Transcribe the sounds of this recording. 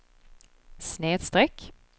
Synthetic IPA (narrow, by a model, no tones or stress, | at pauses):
sneːd̪st̪ɾɛk